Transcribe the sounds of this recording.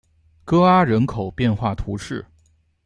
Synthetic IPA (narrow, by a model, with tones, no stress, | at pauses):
kɤ˥a˥ɻə˧˥nkʰo˨˩ʊpjɛ˥˧nxwa˥˩t̪ʰu˧˥ʂɻ̩˥˩